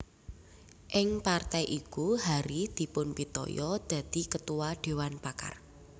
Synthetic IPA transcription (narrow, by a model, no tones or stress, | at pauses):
ʔɪŋpart̪ɛjʔikuɦaɾid̪̥i̤pʊnpit̪ɔ̰jɔd̪̥ä̤d̪̥i̤kət̪uwaɖ̥e̤wanpaka̰r